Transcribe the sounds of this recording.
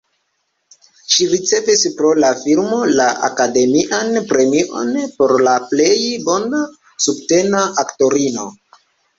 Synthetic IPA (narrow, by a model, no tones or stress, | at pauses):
ʃiɾit͡se̞vispɾo̞lafilmo̞laʔa̰kade̞miʔanpɾe̞miʔo̞̰npo̞ɾlaple̞jbo̞na | subte̞naʔakto̞ɾino̞